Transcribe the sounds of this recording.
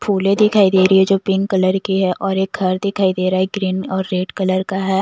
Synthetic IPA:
pʰuːlẽd̪ɪkʰaːid̪eːɾəiɛd͡ʒoːpɪ̃ŋkɐləɾkiɦɛʔɔːɾeːk̚ɡʰʱɐɾd̪ɪkʰaːid̪eːɾaːɦɛɡɾiːnɔːɾːeːɖkɐləɾkaɦɛː

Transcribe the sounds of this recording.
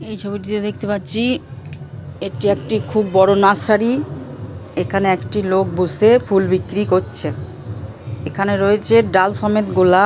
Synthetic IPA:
ejt͡ɕʰobiʈit̪od̪ekʰt̪epatːɕʰi | eʈiek̚ʈikʰubːɔɽonaʃaɾi | ekʰaneekʈilok̚busefulbikːɾikotːɕʰe | ekʰaneɾoet͡ɕʰeɖalsɔmet̪ɡola

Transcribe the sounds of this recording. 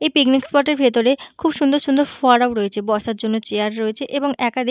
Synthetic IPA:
ejpiknikspɔɾʈeɾbʱet̪oɾekʰubʃund̪oɾʃund̪oɾfɔɾawɾoet͡ɕʰebɔʃaɾd͡ʑonːot͡ɕeaɾɾoet͡ɕʰeʔeboŋɛkad̪i

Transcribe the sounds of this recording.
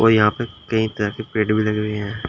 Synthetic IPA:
oːjɐɦãːpekɐĩt̪ɐɾakepeːɖbʱilɐɡɾəeɦɛ̃ː

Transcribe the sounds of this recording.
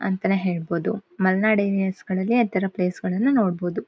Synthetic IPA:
ɐ̰nt̪ɐneɦe̞ːɭbo̞ːd̪umɐlnaːɖejliɐsɡɐɭɐlːiɐt̪ɐɾɐple̞ːsɡɐɭɐnːuno̞ːɽboːd̪u

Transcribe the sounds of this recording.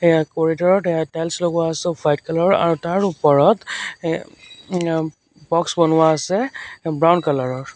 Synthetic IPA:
ejakɔɹitɔɹɔtɛjatɛlslokwaːsɛfʰajt̚kalɔɹa̰ɹutaɹupɔɹɔt | bɔksbɔnʊwaːsɛbɹawnkalɔɹɔɹ

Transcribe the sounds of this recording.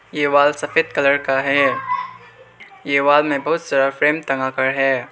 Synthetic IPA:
jeːwaːlsɐfeːd̪kələɾkaɦɛː | jeːwaːlmẽbɐɦʊt̪saːɾafɾeːmt̪ɐŋɡakəɾɦɛː

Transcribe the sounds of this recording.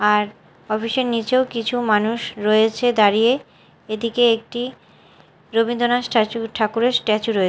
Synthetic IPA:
aɾ | ɔpʰiʃeɾnit͡ɕeokit͡ɕʰumanuʃɾoet͡ɕʰed̪aɾije | ed̪ikeek̚ʈi | ɾobind̪ʱonasʈʰat͡ɕuʈʰakuɾeɾsʈɛt͡ɕuɾoe

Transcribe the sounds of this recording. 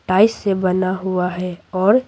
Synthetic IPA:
ʈaːɪsːebənaɦuaɦɛɔːɾ

